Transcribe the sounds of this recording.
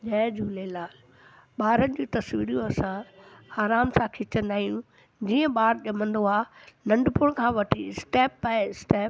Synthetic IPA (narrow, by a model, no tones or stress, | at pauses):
ʄɛ̃ːd͡ʑuːlelaːl | ɓaːɾənɪ̆d͡ʑiːt̪ɐsʋiːɾijũɐsãaːɾaːmsãkʰɪt͡ɕɐ̃nd̪aːɦijũ | d͡ʑiːə̃ɓaːɾʄɐmə̃nd̪oaːnɐ̃ɳɖpʊɽkʰãːʋɐʈʰiɪsʈeːpːaːɪsʈeːp